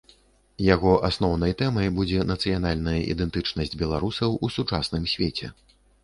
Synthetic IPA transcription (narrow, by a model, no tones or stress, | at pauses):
jaɣɔʔasnɔwnɐjt̪ɛmɐjbud͡zʲɛnɐt̪sɨjanalʲnɐjɐʔḭd̪ɛnt̪ɨt͡ʂnɐsʲd͡zʲbʲɛlˠaɾusɐwusut͡ʂasnɨmsʲvʲet͡sʲɛ̰